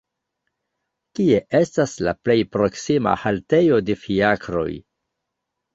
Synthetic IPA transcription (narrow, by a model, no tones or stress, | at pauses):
kie̞ʔe̞stasla̰ple̞jpɾo̞ksima̰halte̞jo̞de̞fiakɾo̞̰j